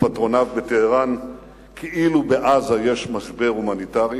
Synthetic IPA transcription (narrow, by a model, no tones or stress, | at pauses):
pat̪ʁo̞navbet̪eheʁan | kʰeʔilubeʔazajeʃmaʃbe̞humanit̪aʁi